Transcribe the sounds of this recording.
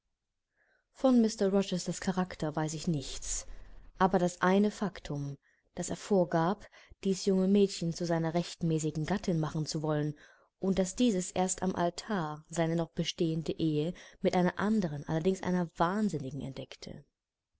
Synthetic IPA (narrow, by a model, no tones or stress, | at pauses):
fɔnmɪstɐʁɔt͡ʃɛstɐskʰaʁaktʰɐvaɪsɪçnɪçt͡sʔaːbɐɾasʔaɪnəfaktʰʊm | d̥aseːɐfoːɐɡaːpd̥iːsjʊŋəmɛːtçən̩t͡suzaɪnɐʁɛçtmɛːs̬ɪɡŋ̩ɡatʰɪnmaχn̩t͡suvɔlən | ʔʊnt̚d̥asd̥iːzəsʔeːɐstamʔa̰ltʰaːɐzaɪnənɔχb̥əʃteːəndəʔeːəmɪtʔaɪnɐʔandəʁ̞ənʔa̰lɐdɪŋsʔa̰ɪnɐvaːnzɪnɪɡŋ̩ɛ̰ntd̥ɛktʰə̰